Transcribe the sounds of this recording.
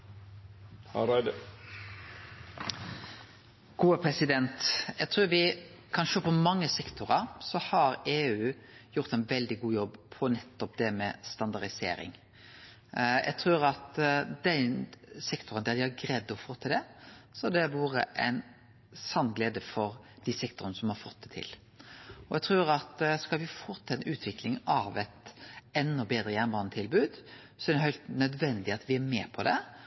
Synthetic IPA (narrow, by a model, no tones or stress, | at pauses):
ɾæɪd̪ə | ɡ̥uːəpʰɾɛsɪd̪ɛnt̪jɛɡt̪ʰɾʉːɾʋɪ | kʰɑnʃøːpʰɔmɑŋːəsɛkt̪ʊɾəɾsɔhɑɾeːʉː | jʊɾt̪ɛnʋɛld̪ɪɡuːjɔbːpʰɔnɛt̪ːɔp̚d̪ɛmɛst̪ɑnd̪ɑɾd̪ɪsḛːɾɪ̰ŋ | jʔɛ̰ɡt̪ʰɾʉːɾɑt̪d̪ɛnsɛkt̪ʰʊɾənd̪æɾd̪ɪhɑɾɡɾɛd̪ːɔfoːt̪ʰɪld̪ɛsɔɛd̪ɛʋuːɾə̰ʔɛɪn | sɑnːɡleːd̪əfɔɾ | d̪̥ɪsɛk̚t̪ʊɾənəsɔmhɑɾfɔt̪ːd̪ɛt̪ʰɪ̰l | ɔjɛɡt̪ʰɾʉːɾɑt̪skɑlʋɪfot̪ʰɛʉːt̪ʰʋɪklɪŋɑʋɛt̪ɛnːɔbeːd̪ɾəjæʁnbɑːnət̪ʰɪlbʉːd̪ | sɔɛd̪ɛɦœʏlt̪nœd̪ʋɛnd̪ɪɑt̪ʋɪæɾmɛːpʰɔd̪ɛ̰